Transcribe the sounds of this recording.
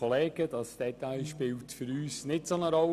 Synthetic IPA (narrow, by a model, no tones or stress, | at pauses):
oleːɡ̥əd̥ɑsd̥ɛtaɪʃpɪːltfəɾyːsnɪtsonəɾɔl